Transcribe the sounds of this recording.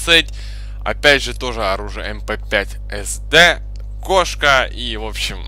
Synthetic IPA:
setʲ | ɐ̰pʲædʲʐɨt̪o̞ʐɨɐɾuʐɨjəɛmpɛpʲætʲ | ɛsd̪ɛ | ko̞ʂkəivo̞pɕːɪm

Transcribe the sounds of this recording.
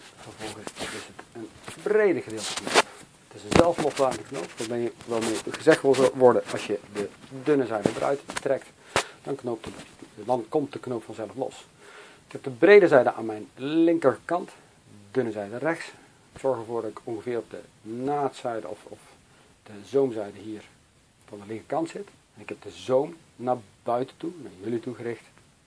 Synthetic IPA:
fəvɔlˠχəsɪsətənbrejdəχədɪːlˠtəno̰p | ətɪsənzɛlˠflɔslaːəndəkno̰wpɔɛjəʋɛlˠmɪːχəzɛχtʋɪlˠʋɔɹdəʔɑ̰lˠsjədədʏnəzɛjdədərʔœ̰ɥttrɛkt | d̥ɑnknowp̚tədɑnkɔmt̚dəknowpfɑnzɛlˠəflɔ̰s | ɪkɛp̚dəbrejdəzɛjdəʔaːnmɛjnlɪŋkəɹkɑnt | dɵnəzɛjdərɛχts | z̥ɔɹχəɹvʊːɹdɑtɪkɔnχəvɪːrɔp̚də̰ | naːtsɛjdə̰ɔ̰fɔf | d̥əzowmzɛjdəɦiːɹ | vɑndəlɪŋkəɹkɑntsɪtɛnɪkɦɛp̚d̥əzowmnaːɹbœɥtəntunaːɹjɵlituχərɪχt

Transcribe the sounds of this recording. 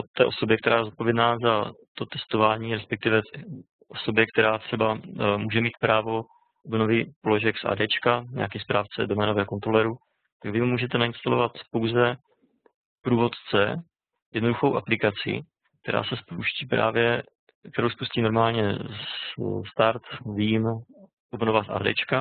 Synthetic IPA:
ʔot̪ːɛːʔo̞so̞bjɛkt̪ɛɾaːjɛzot̪̚po̞vjɛdnaːzat̪o̞t̪ɛst̪ovaːɲiːɾɛspɛk̚t̪ɪvɛ | ʔoso̞bjɛk̚t̪ɛɾaːt̪r̥ɛbamuːʒɛmiːt̪̚pɾaːvo̞ | ʔobnovɪpoloʒɛksʔa̰ːdɛːt͡ʃkaɲa̰akɛːspɾaːft͡sɛdomɛːnovɛːko̞nt̪ɾolɛɾu | t̪aɡvɪmumuːʒɛt̪ɛnaɪnst̪alo̞vat̪po̞wzɛ | pɾuːvo̞t̪t͡sɛ | jɛdno̞duxowʔaplɪkat͡sɪ̰ | k̚t̪ɛɾa̰ːsɛspowʃciːpɾa̰ːvjɛ | kt̪ɛɾowspusciːno̞ɾmaːlɲɛsst̪aɾt̪viːm | ʔobnovasʔa̰ːdɛ̰ːt͡ʃka

